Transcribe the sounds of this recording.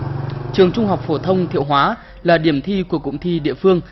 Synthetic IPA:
t͡ɕɨ˨˩əŋt͡ɕʊ˧ŋ͡mɦa˨˩wk͡p̚fo˧˩t̪ʰə˧wŋ͡mt̪ʰḭ˧˨əwɦwaː˨˦ | laː˨˩ɗi˧˩əmt̪ʰi˧ku˧˩əkʊ̰˧˨˥ŋ͡mt̪ʰi˧ɗḭ˧˨əfɨ˧əŋ

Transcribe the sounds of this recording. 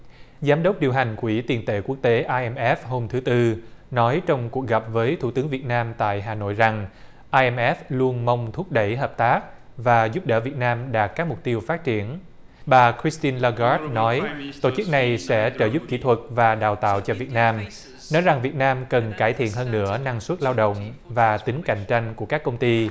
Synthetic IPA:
zaː˨˦mɗə˦˥wk͡p̚ɗi˨˩əwɦa˨˩jŋ̟kwi˧˩t̪i˨˩nt̪ḛ˧˩ku˦˥ək̚t̪e˨˦ʔaː˧ʔɛ˧mʔɛ˦˥fho˧mt̪ʰɨ˨˦t̪ɨ˧nɔ˨˦jt͡ɕɔ˧wŋ͡mku˨˩ək̚ɣa˨˩p̚vəː˨˦jt̪ʰu˧˩t̪ɨ˨˦əŋvi˨˩ət̚naː˧mt̪a̰ː˧˨jɦaː˨˩no̰˧˨jza˨˩ŋ | ʔaː˧jʔɛ˧mʔɛ˦˥flu˧ənma˧wŋ͡mt̪ʰu˦˥t̚ɗə˧˩jɦəː˨˩p̚t̪aː˦˥k̚vaː˨˩zu˦˥p̚ɗə̰ː˧˩vi˨˩ət̚naː˧mɗaː˨˩t̚kːaː˦˥k̚mʊ˨˩k͡p̚t̪i˧əwfaː˦˥t̚t͡ɕi˧˩ən | ɓaː˨˩kʰɹi˦˥st̪i˧nlaː˧ɣɔ˦˥t̚nɔ˨˦jt̪o̰˧˩t͡ɕɨ˦˥k̚na˨˩jsɛ̰˧˥t͡ɕəː˧˩zu˦˥p̚ki˧˩t̪ʰwə˨˩t̚vaː˨˩ɗaː˨˩wt̪a̰ː˧˨wt͡ɕɔ˧vi˨˩ət̚naː˧m | nɔ˨˦jza˨˩ŋvi˨˩ət̚naː˧mkə˨˩nkaː˧˩jt̪ʰḭ˧˨ənɦəː˧nːɨ̰˧˥əna˧ŋswə˦˥t̚laː˧wɗo̰˧˨wŋ͡mvaː˨˩t̪ï˨˦ŋ̟ka̰˧˩˨jŋ̟t͡ɕa˧jŋ̟ku˧˩əkaː˦˥kːə˧wŋ͡mt̪i˧

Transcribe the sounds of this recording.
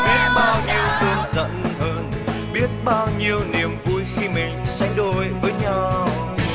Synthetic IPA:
he˨˦ɓaː˧wɲi˧əwt̪ɨ˧ənzə̰˧˨nhəː˧n | ɓi˦˥ət̚ɓaː˧wɲi˧əwni˨˩əmvu˧jxi˧mï˨˩ŋ̟sa˨˦jŋ̟ɗo˧˩jvəː˨˦jɲa˧w

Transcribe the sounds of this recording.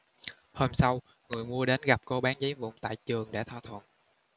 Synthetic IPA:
hoː˧msa˧w | ŋɨ˨˩əjmu˧əɗe˨˦nɣa˨˩p̚ko˧ɓaː˨˦nzə˨˦jvṵ˧˨ŋ͡mt̪a̰ː˧˨jt͡ɕɨ˨˩əŋɗa̰ː˧˥t̪ʰa̰˧˩t̪ʰwə̰˧˨nʔ

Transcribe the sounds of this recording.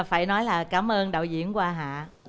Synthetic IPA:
faː˧˩jnɔ˨˦jlaː˨˩kaː˨˦mʔəː˧nɗa̰ː˧˨wzḭ˧˨ənkwaː˧ɦa̰ː˧˨

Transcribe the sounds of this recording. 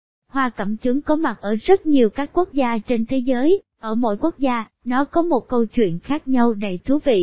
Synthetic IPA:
hwaː˧kə̰˧˩mt͡ɕɨ˨˦ŋkɔ˨˦ma˨˩t̚ʔəː˧˩zə˦˥t̚ɲi˨˩əwkaː˦˥kːu˦˥ək̚zaː˧t͡ɕe˧nt̪ʰe˨˦zəː˨˦jʔəː˧˩mo̰˧˥jku˦˥ək̚zaː˧ | nɔ˨˦kɔ˨˦mo˨˩t̚kə˧wt͡ɕwḭ˧˨ənxaː˦˥k̚ɲa˧wɗə̰˧˨˩jt̪ʰu˨˦vḭ˧˨

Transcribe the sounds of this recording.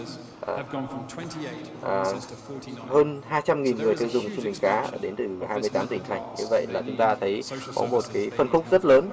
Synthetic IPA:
ʔaː˨˩ | ʔaː˨˩ | həː˧nɦaː˧jt͡ɕa˧mŋi˨˩nŋɨ˨˩əjt̪ɨ˧wzʊ˨˩ŋ͡msu˧mï˨˩ŋ̟kaː˨˦˧ɗe˨˦nt̪ɨ˨˩haː˧jmɨ˧jt̪aː˨˦mt̪ï˨˩ŋ̟ʰa˨˩jŋ̟ɲɨ̰˧və̰˧˨jlaː˨˩t͡ɕʊ˨˦ŋ͡mt̪aː˧t̪ʰə˨˦jkɔ̰˨˦mo˨˩t̚kaː˨˦jfə˨˩nxʊ˦˥k͡p̚zə˦˥t̚ləː˨˦n

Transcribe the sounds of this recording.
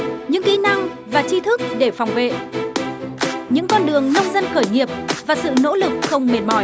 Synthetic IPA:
ɲɨ̰˧˥ŋki˨˧˦na˧ŋ | vaː˨˩t͡ɕi˧t̪ʰɨ˦˥k̚ɗe˧˩fɔ˨˩wŋ͡mvḛ˧˨ | ɲɨ̰˧˥ŋkɔ˧nɗɨ˨˩əŋnə˧wŋ͡mzə˧nxəː˧˩jŋi˨˩əp̚vaː˨˩sɨ̰˧˨no̰˧˥lɨ˨˩k̚xə˧wŋ͡mme˨˩n̚mɔ˧˩j

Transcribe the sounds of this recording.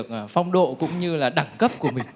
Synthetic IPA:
ək̚ːfa˧wŋ͡mɗo̰˧˨kʊ̰˧˥wŋ͡mɲɨ˧laː˨˩ɗa˨˩ŋkə˦˥p̚ku˧˩əmï˨˩ŋ̟

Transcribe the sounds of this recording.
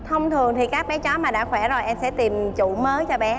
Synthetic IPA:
t̪ʰə˧wŋ͡mt̪ʰɨ˨˩əŋt̪ʰi˨˩kaː˦˥k̚ɓɛ˨˦t͡ɕɔ˨˦maː˨˩ɗa̰ː˧˥xwɛ˧˩zo˨˩jʔɛ˧msɛ̰˧˥t̪i˨˩mt͡ɕu˧˩məː˨˦jt͡ɕɔ˧ɓɛ˨˦

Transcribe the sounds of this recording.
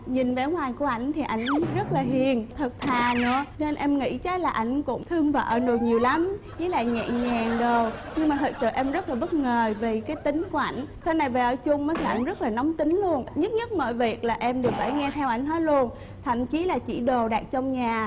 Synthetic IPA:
ɲi˨˩nva˨˦ŋwaː˨˩jku˧˩əʔa˧˩jŋ̟t̪ʰi˨˩ʔa˧˩jŋ̟zə˦˥t̚laː˨˩ɦḭ˨ənt̪ʰə˨˩t̚t̪ʰaː˨˩nɨ̰˧˥əne˧nʔɛ˧mŋḭ˧˥t͡ɕa˨˦˥laː˨˩ʔa˧˩jŋ̟kʊ̰˧˥ŋ͡mt̪ʰɨ˧əŋvaː˧˩ʔəː˧˩no˨˩tɲi˨˩əwla˨˦m | zi˨˦la̰ː˧˨jŋɛ̰˧˨ɲɛː˨˩ŋɗo˨˩wɲɨ˧ŋmaː˨˩ɨ˨˩sɨ̰˧˨ʔɛ˧mzə˦˥laː˨˩ɓə˦˥t̚ŋəː˨˩ve˨˩kaː˨˦jt̪ï˨˦ŋ̟ku˧˩əʔa̰˧˩jŋ̟saː˧wna˨˩jveː˨˩ʔəː˧˩t͡ɕʊ˧ŋ͡mnəː˨˦jt̪ʰi˨˩ʔa˧˩jŋzə˦˥t̚laː˨˩nɔ˨˦wŋ͡mt̪ï˨˦ŋ̟lu˧ənɲə˦˥t̚ɲə˦˥t̚mo̰˧˨jvi˨˩ək̚laː˨˩ʔɛ˧mɗɨ˨˩ək̚va̰ː˧˩jŋɛ˧t̪ʰɛ˧wʔa˧˩jŋ̟hɔ˨˦lu˧ən | t̪ʰa̰˧˩mt͡ɕi˨˦laː˨˩t͡ɕḭ˧˩ɗo˨˩ɗaː˨˩k̚t͡ɕɔ˧wŋ͡mɲaː˨˩

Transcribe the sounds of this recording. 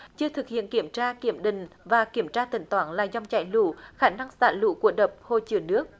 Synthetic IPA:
t͡ɕɨ˧ət̪ʰɨ˨˩k̚hḭ˧˨ənki˧˩əmt͡ɕaː˧ki˧˩əmɗï˨ŋ̟vaː˨˩ki˧˩əmt͡ɕaː˧t̪ï˨˩ŋ̟t̪waː˨˦nla̰ː˧˨˩za˧wŋ͡mt͡ɕa̰˧˩jlṵ˧˨xaː˧˩na˧ŋsa̰ː˧nlṵ˧˥ku˧˩əɗə˨˩p̚ho˧˩t͡ɕɨ˨˩ənɨ˦˥ək̚

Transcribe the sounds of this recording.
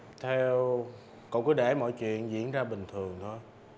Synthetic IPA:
t̪ʰɛ˧w | kɔ̰˧˨wkːɗe˧˩mɔ̰˧˨jt͡ɕwḭ˧˨ənzḭ˧˥ənzaː˧ɓï˨˩ŋ̟t̪ʰɨ˨˩əŋt̪ʰo˧j

